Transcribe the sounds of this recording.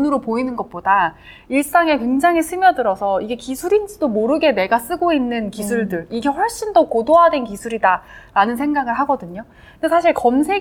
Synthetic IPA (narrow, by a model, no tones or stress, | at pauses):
nɯɾopoinɯnɡʌt̚p͈oda | iɭs͈aŋe̞kweŋd͡ʑaŋɦisʰɯmjʌdɯɾʌsʰʌiɡe̞kisʰuɾind͡ʑidomoɾɯɡe̞ne̞ɡas͈ɯɡoinːɯnkisʰuɭdɯɭiɡe̞ɸʌɭɕ͈indʌkodoɦadwe̞nkisʰuɾidaɾanɯnsʰe̞ŋɡaɡɯɭɦaɡʌdɯɲo | esʰaɕʰiɭkʌmsʰe̞